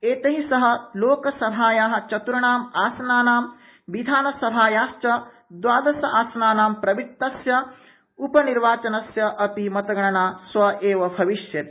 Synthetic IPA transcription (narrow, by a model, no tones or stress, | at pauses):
eːt̪ɐɦisɐɦɐloːkɐsɐbʱaːjaːɦɐ̆t͡ʃɐt̪uɾɐɳaːmaːsɐnaːnaːm | ʋid̪ʱaːnɐsɐbʱaːjaːʃt͡ʃɐ | d̪waːd̪ɐsɐaːsɐnaːnaːmpɾɐʋit̪ːɐsjɐ | upɐniɾʋaːt͡ʃɐnɐsjɐʔɐpimɐt̪ɐɡɐɳɐɳaːsʋɐʔeːʋɐbʱɐʋiʃjɐt̪